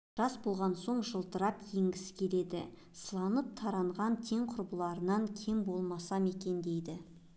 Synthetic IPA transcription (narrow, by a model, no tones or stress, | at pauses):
ʒ̥ɑsbo̞lˠʁɑnso̞ɴʒəlˠt̪əɾɑpje̞ŋɡʲɪsɪ̥kʲʰe̞le̞d̪ɪ̰ | səlˠɑnəp̚t̪ʰɑɾɑɴʁɑnt̪ʰe̞ŋqʰʊɾbəlˠɑɾənɑŋkʲʰe̞mbo̞lˠmɑsɑmekʲe̞nd̪e̞jd̪ɪ